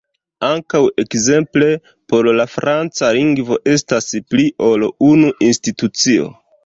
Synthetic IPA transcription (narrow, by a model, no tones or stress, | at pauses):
aŋkawe̞kze̞mple̞ | po̞ɾlafɾant͡saliŋɡvo̞ʔe̞staspliʔo̞lunuʔinstitut͡sio̞̰